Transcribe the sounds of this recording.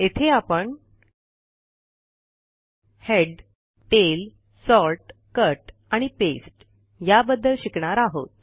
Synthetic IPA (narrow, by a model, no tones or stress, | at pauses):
et̪ʰeapəɳ | heɖ | ʈel | sɔlʈkəɾʈaɽ̃ipesʈ | jabəd̪ːəlɕikɳaɾaɦo̰t̪